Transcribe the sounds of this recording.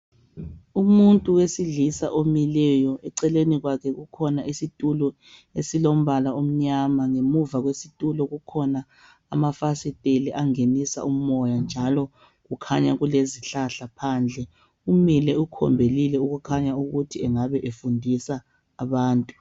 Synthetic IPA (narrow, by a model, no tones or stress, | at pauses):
umuntʼuwesiɮisaʔomilɛjɔɛǀɛleniɣwakʰɛɣukʰɔnaisitʼulɔ | esilom̩βalaom̩ɲamaŋemuvaɣwesitʼulɔɣukʰɔna̰ː | mafasitʼeliʔaŋenisa̰um̩ɔjand͡ʒʱalɔ | ɣukʰaɲaɣuleziɬaɬapʰaːnd͡ɮʱɛ | umilɛukʰɔ̰mbʱelilɛuɣukʰaɲauɣutʰiɛŋaβɛʔefundʱisaː | βaːntʼu